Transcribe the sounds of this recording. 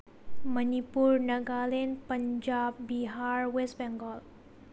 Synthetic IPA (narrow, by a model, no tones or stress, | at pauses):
mənipuɾnɐɡalenpəɲd͡ʒaːbːiɦaːɾwesbɛ̃ŋɡɔl